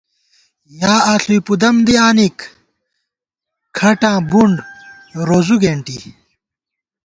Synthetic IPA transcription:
jaːaːɬujpud̪ɐmd̪iaːnik | kʰɐʈãːbuɳɖ | ɾoːzuɡeːɳʈḭ

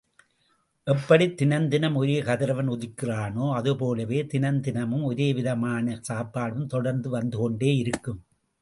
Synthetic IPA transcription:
ʔɛpːɐɽit̪ːɪnɐnd̪ɪnɐmɔɾeːkɐðɪɾɐʋɐnɔðɪkːɪraːnoːɐðɯpoːlɐʋeːt̪ɪnɐnd̪ɪnɐmɯmɔɾeːʋɪðɐmaːnɐsaːpːaːɽɯmt̪ɔɽɐɾnd̪ɯʋɐnd̪ɯkɔɳɖeːɪɾɯkːɯm

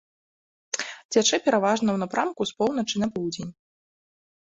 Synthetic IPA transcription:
d͡zʲat͡ʂɛpʲɛɾavaʐnɐwnapɾʔamkuspɔwnɐt͡ʂɨnɐpɔwd͡zʲenʲ

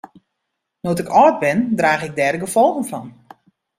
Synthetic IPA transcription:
notɪkɔːt̚bɪndraːɣɪɡ̚dɛːrdəɡəfɔlˠɣən̩fɔn

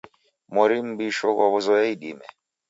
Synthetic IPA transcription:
mɔɾim̩biʃɔkwaβɔzɔjɛiɗimɛ̰

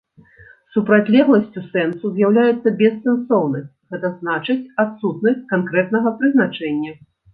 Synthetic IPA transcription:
supɾat͡sʲlʲɛɣlˠɐsʲt͡sʲusɛnsuzʲjawlʲajɛt̪sːɐbʲɛsːɛnsɔwnɐsʲt͡sʲɣɛt̪ɐznat͡ʂɨt͡sʲat̪sut̪nɐsʲt͡sʲkankɾɛt̪̚nɐɣɐpɾɨznat͡ʂɛnʲːɐ

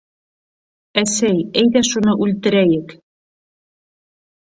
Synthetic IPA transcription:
æsæjejðæʃunɤʔʉlʲt̪ɘ̆ɾæjɘk

